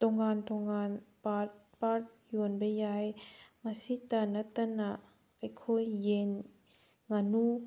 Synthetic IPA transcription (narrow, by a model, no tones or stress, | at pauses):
t̪ɔŋaːnt̪ɔŋanpat̚ | pat̪̚juənbajajmasit̪anat̪anaʔ | pajkʰojjɛn | ŋanu